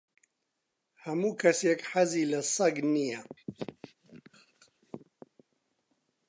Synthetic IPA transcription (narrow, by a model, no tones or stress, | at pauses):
hamukɐsjɛkħazilɐsˤɑɡnija